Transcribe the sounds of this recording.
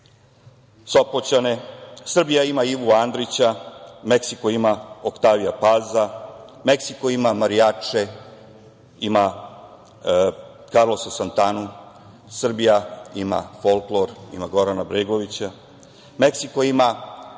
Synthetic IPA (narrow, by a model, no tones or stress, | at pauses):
sopot͡ɕanesr̩bijaimaiʋuand̪ɾit͡ɕameksikoimaokt̪aːʋijapaːza | meksiko̞imamaɾijat͡ʂe | ima | kaɾlo̞sasant̪anu | sr̩bijaima̰folklˠo̞ɾḭmaɡo̞ɾanabɾeɡo̞ʋit͡ɕa | meksiko̞ima